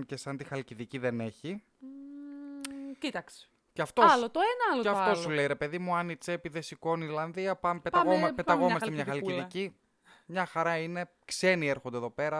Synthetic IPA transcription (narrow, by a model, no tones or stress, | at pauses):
ce̞sɐnt̪ixɐliciðiciðe̞ne̞çi | cit̪ɐkse̥ | ceɐft̪olot̪oenɐɐloeɐft̪o̞suleiɾe̞peðimuɐnit͡sepiðe̞siko̞niɾlɐnðiɐpɐmepet̪ɐɣomɐpeɐɣo̞mmɐst̪emɲɐxɐliciðici | mɲɐxɐɾɐine̞ | kse̞nieɾxond̪eðo̞pe̞ɾɐ